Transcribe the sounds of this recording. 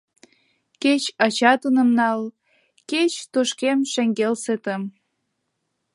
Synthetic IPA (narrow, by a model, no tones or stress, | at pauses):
ket͡ɕɑt͡ɕɑt̪ənə̆mnɑl | ket͡ɕt̪oʃkemʃeŋɡelset̪ə̆m